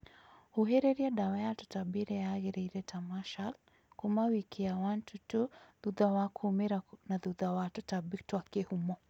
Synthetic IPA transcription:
huɦɛɾɛɾiaɗawajatu̥tabiɾɛjaɣɛɾɛiɾɛtʰamaʃal | kumawikiawantutuðuðawakʰumɛɾanaðuðawatutabitwakɛhumɔ

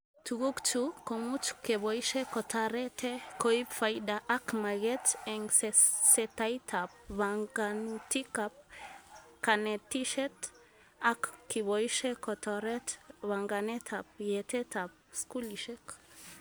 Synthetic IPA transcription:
t̪uɡukt͡ʃukomut͡ʃu̥keβoiʃekɔt̪aɾet̪ʰekoipfajdaʔakmaɡɛt̪ɛŋseset̪ajt̪ʰap̚βaŋɡanut̪ikap̚ | kanet̪iʃɛt̪ | akkiβojiʃekot̪oɾet̪βaŋɡanet̪ʰap̚jɛt̪et̪ap̚skuliʃek

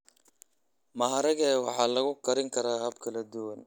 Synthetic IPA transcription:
mɐɦɐɾɐɣɛːwɑħɑːlɐɣʊkʰɐɾɪŋkʰɐɾaːhɐbkʰɐlɐd̪ʊwɐn

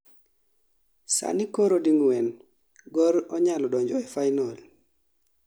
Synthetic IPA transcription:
sa̰nikɔɾodiŋwɛn | ɡɔɾɔɲalɔdɔɲd͡ʒɔɛfajnɔl

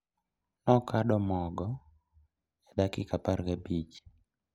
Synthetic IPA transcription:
nɔkaɗɔmɔɡɔ | ɛdakɪkapaɾɡabit͡ʃ

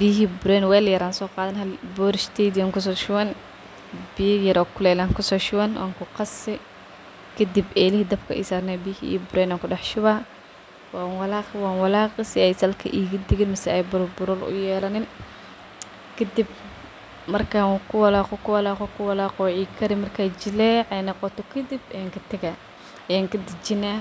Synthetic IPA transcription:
biːɦiːbʊɾɛːnwɛːljɐɾaːnsɔːqɑːðɐnɦɐlbɔːɾɪʃt̪ʰɛd̪aŋkʰʊs̬ɔːʃʊwɐn | bijɐjɐɾɔːkʰʊlɛjlaːŋkʰʊsɔːʃʊwɐnwʔa̰ːŋkʰʊqɑsɪ | kʰɐd̪ibɛːlɪhiːd̪ɐbkʰɐ̰ʔḭːsaːɾnɛːbijhḭbʊɾɛːnaːŋkʊɗɑħʃʊβaː | waːnwɐlaːqwaːnwɑlaːqɪsɪɛjsɐlkʰɐ̰ʔiːɡɐd̪ɪɣɪnmɐsɛɛjbʊɾbʊɾɔlʊ̰jɛːlɐnɪn | kʰɐd̪ib̚ | mɐrkʰakʰʊwɐlaːqɔkʰʊwɐlaːqɔkʰʊwɐlaːqɔʕiːkʰɐɾɪmɐrkʰaːt͡ʃɪlɛʕɛjnɑqɔt̪ɔkʰɐd̪ibɛaŋkɐt̪ʰɐɡa | jaːŋkɐd̪ɪd͡ʒɪnaː

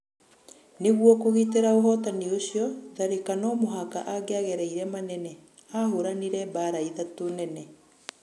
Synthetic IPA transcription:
neɣwɔkoɣiːteɾaoɦɔtanioɕijɔðaɾekanɔmoɦaka̰ʔaɡeaɣɛɾaiɾɛmanɛnɛ | ahoɾaniɾɛbaːɾaiðatonɛnɛ

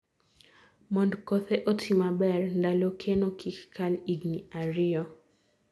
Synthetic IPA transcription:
mɔndkoθeʔotʰimabɛrndalokʰenokikkaliɡniaɾɪɔ

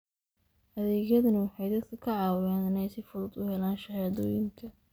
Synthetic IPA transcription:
hɐðɛːɣjɐðɐnɐwɑħɑjd̪ɐd̪̚kʰɐkʰɐʕɑːwɪjaːnɪnɛjsɪfʊlʊd̪ʊhɛlaːnʃɐħjaːðɔːjɪŋkʰɐ

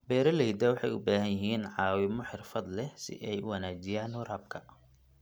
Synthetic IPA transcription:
bɛːɾɐlɛjd̪ɐːwɑħɑjʊbaːɦɐnjɪɦiːnʕɑːwɪmɔħɪrfɐd̪lɛsɪ̰ʔɛjʊwɑnaːt͡ʃɪjaːnhʊɾaːb̚kʰɐ

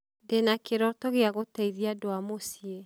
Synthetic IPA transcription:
denakeɾɔtɔɣeaɣotaiðiadoamosie

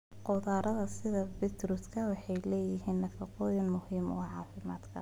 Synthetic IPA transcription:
qɔðaːɾʔɐðɐsɪðɐbɪt̪ʰɾʊskʰɐwɑħɑjlɛːjɪɦiːnːɐfɑqɔːjɪnmʊhiːmɔ̰ːʕɑːfɪmaːd̪kʰɐ̰

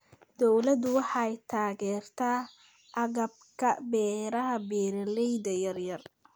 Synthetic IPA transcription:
d̪̥ɔwlɐd̪ʊwɑħɑjt̪ʰaːɣɛːrt̪ʰaː | ʔɐɣɐb̚kʰɐbɛːɾɐɦɐbɛːɾɐlɛjd̪ɐjɐrjɐr

